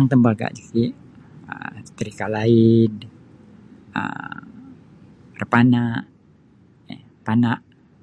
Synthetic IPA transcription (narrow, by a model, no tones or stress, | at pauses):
ŋt̪əmbaɡa̰ʔd͡ʒikiʔ | ə̰t̪əɾikalaɪn | ə̰ | rəpanaʔ | a̰ | panaʔ